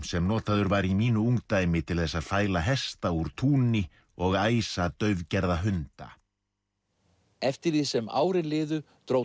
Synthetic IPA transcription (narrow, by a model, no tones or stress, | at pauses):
sɛmnɔːt̪aðʏɾvaɾimiːnʏuŋkt̪aːjmɪt̪ʰɪlθɛsːaðfaːjlaɦɛst̪auɾ̥t̪ʰuːnɪ | ɔɣaːjsat̪œɥvcɛɾðaɦʏnt̪a̰ | ɛft̪ɪɾðisɛma̰ːwɾɪlɪːðʏ | t̪ɾo